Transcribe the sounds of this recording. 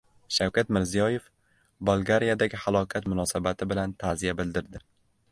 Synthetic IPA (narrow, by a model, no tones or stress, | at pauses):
ʃawkʲat̪mɪɾzijɒje̞f | bolˠɡaɾijad̪aɡʲɪhalˠɒkʲʰat̪mʊnɒsabat̪ʰɪbɪlant̪ʰazijabɪld̪ɪɾd̪ɪ